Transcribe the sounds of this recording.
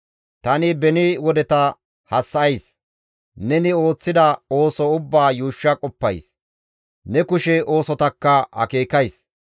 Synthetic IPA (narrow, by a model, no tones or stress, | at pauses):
t̪ɐnɪbɛnɪwɔd̪ɛt̪ɐ | hɐsːɐɐjs | nɛnɪo̞ːt͡sːɪd̪ɐo̞ːsɔʊbːaːjuːʃːɐkʼɔpːɐ̰js | nɛkʊʃɛo̞ːsɔt̪ɐkːɐhɐ̰ke̞ːkɐjs